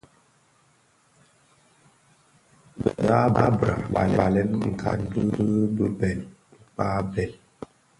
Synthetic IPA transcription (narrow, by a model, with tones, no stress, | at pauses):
ba˦ba˦bɾa̰˨ba̰˨lba˨lɛ˦nŋ̩˨kʰa̰˨n˦də˦ə˦bə˦bɛ˨l | pa˦bɛ˨l